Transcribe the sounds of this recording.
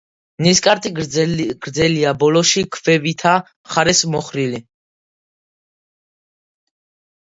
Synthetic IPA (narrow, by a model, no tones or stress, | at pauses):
niskʼaɾt̪ʼiɡ̥ɾd̪zɛliabɔlɔʃikʰvɛvit̪ʰa | χaɾɛsmɔχɾili